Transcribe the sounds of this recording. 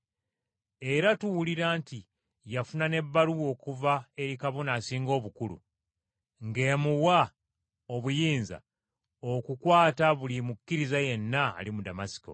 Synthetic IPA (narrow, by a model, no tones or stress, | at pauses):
e̞ɾatuwuliɾaːnti | jafunane̞βːaluwo̞ːkuvae̞ɾikaβo̞naːsiːŋɡo̞ːβukulṵ | ŋɡe̞ːmuwa | o̞βujiːnza̰ | okukwaːtaβulimukːiɾizaje̞nːa̰ːlimudamasi̥ko̞̰